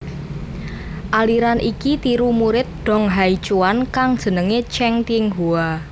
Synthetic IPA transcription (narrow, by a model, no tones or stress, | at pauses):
ʔaliɾanʔikit̪iɾumuɾɪt̪̚ɖ̪̥ɔ̤ŋɦait͡ʃuwankaŋd̥ʒ̥ə̤nəŋet͡ʃɛŋt̪iŋɦua